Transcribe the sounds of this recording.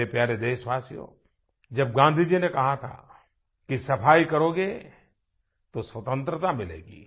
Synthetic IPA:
epjaːɾed̪eːʃʋaːsijõ̰ː | d͡ʒɐb̚ɡãːnd̪ʱid͡ʒinekɐɦat̪ʰa̰ː | kisɐpʰaːikɐɾoːɡe | t̪oswɐt̪ə̃nt̪ɾət̪amɪlḛːɡḭː

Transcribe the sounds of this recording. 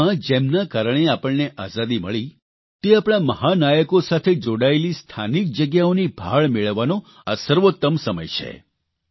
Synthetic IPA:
ãd͡ʒemnakaɾəɳ̃eapəɭneʔazad̪iməɭi | t̪eapɳ̃aməhanajəkosat̪ʰed͡ʒoɽaelist̪ʰanik̚d͡ʒəɡjaonibʱa̰ɭmeɭəʋːano | a̰səɾʋot̪ːəmsəmə̰jt͡ʃʰḛ

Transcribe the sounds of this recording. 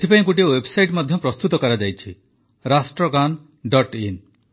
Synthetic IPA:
t̪ʰipaĩkuʈ̬iwebsajʈmɔd̪ʱjɔpɾɔst̪ut̪ɔkɔɾad͡ʒajt͡ʃʰi | ɾasʈɾɔɡan | ɖɔʈin

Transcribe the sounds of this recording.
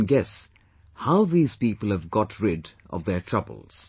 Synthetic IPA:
nɡɛs | haʊðiːz̥piːpəlˠhəvɡɔtʰɹɪdʔɔ̰vðətʰɹ̥ʌbə̰l̩ˠz̥

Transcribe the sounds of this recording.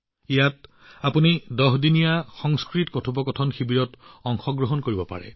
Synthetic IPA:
ijat | apunidɔɦdinijaxɔŋskɹitkɔtʰupɔkɔtʰɔnxibiɹɔtɔŋxɔɡɹɔɦɔnkoɹibɔpa̰ɹɛ̰

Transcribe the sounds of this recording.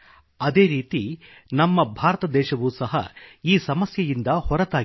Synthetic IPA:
ɐd̪eːɾiːt̪i | nɐmːɐbʱaːɾɐt̪ɐd̪ɛːʃɐʋuːsɐɦɐ̰iːsɐmɐsjɐjind̪ɐhɔɾɐt̪aː

